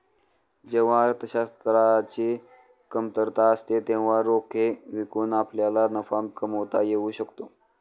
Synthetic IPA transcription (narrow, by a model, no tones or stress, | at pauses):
d͡ʑeʋ̤aɾt̪əɕast̪ɾat͡ɕiː | kəmt̪əɾt̪aəst̪et̪ẽʋ̤aɾokʰeʋikuːnapljalanəfamkəməʋt̪ajeuːɕəkt̪o